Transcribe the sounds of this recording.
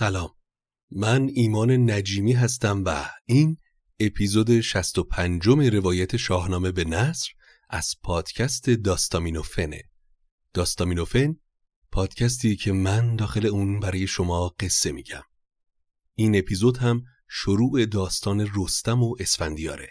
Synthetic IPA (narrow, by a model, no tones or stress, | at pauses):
sælɒːmː | æniːmɒːne̞næd͡ʒiːmiːɦæst̪æmvæ̰iːn | e̞pʰizoːd̪e̞ʃæst̪o̞pʰænd͡ʒo̞me̞ɾe̞vɒːjæt̪ʰe̞ʃɒːhnɒːme̞be̞næsɾ | ʔæ̰z̥pʰɒːd̪̥cʰæst̪ʰe̞d̪ɒːst̪ɒːmiːno̞fe̞nḛ | d̪̥ɒːst̪ɒmiːno̞fe̞n | pʰɒːd̪̥cʰæs̬t̪ʰiːcʰe̞mænd̪ɒːxe̞le̞uːnbæɾɒːje̞ʃo̞mɒːɢ̥e̞sːe̞miːɟæ̰m | iːne̞pʰiːzo̞d̪hæm | ʃoɾuːʔe̞d̪ɒːst̪ʰɒːne̞rost̪æmo̞ʔe̞sfænd̪ijɒ̰ːɾe̞̰